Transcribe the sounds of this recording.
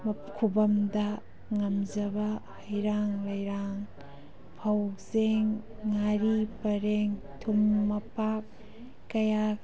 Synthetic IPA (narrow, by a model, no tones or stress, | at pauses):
m | kʰubɐmdɐ | ŋɐmzɐbɐhɐjɾaŋlɐjɾaŋ | pʰɐwzeŋː | aɾipɐɾeŋ | tʰumːɐpak̚ː | ɐja